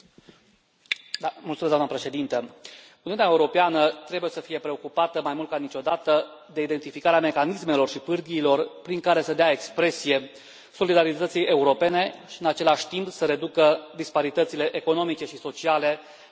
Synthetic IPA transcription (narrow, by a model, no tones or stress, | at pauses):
mult̪umesd̪amnəpɾe̞ʃe̞d̪int̪ə | uniunaeuɾo̞peanət̪ɾe̞buje̞səfije̞pɾe̞o̞kupat̪əmajmult̪kanit͡ʃo̞d̪at̪əd̪e̞id̪e̞nt̪ifikaɾeame̞kanisme̞lo̞rʃipɨrɡ̪iːlo̞rpɾiŋkaɾe̞səd̪eae̞kspɾe̞sije̞ | so̞lid̪aɾit̪ət̪sijʔe̞uɾo̞pe̞ne̞ʃiɨnat͡ʃe̞laʃʲt̪impsəɾe̞d̪ukəd̪ispaɾit̪ət̪sile̞ʔeko̞no̞mit͡ʃe̞ʃiso̞t͡ʃiale̞